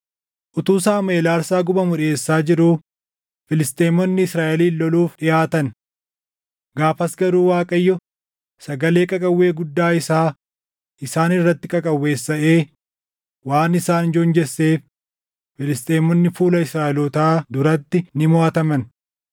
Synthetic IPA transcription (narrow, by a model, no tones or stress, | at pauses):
ʔʊt̪uːsaːmɐeːlaːɾsaːɡʊbɐmʊᶑeːsːaːd͡ʒɪɾuː | fɪlɪst̪ʼeːmɔnːɪɪsɾaːʔɛliːɔluːfᶑɪjaːt̪ɐn | ɡaːfɐsɡɐɾuːwaːkʼɐjːɔ | sɐɡɐle̞ːkʼɐkʼɐwːe̞ːɡʊd̪ːaːɪsaː | ʔɪsaːnɪrːɐt̪ːɪkʼɐkʼɐwːe̞ːsːɐʔe̞ː | waːnɪsaːnd͡ʒɔnd͡ʒɛsːeːf | fɪlɪst̪ʼeːmɔnːɪfuːlɐɪsɾaːʔɛlɔt̪aːd̪ʊɾɐt̪ːɪnɪmʊaːt̪ɐmɐn